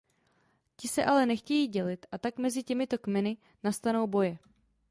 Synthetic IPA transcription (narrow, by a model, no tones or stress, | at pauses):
cɪsɛʔalɛnɛxcɛjiːɟɛlɪt̪ʔat̪akmɛzɪcɛmɪt̪o̞kmɛnɪ | nast̪ano̞wbo̞jɛ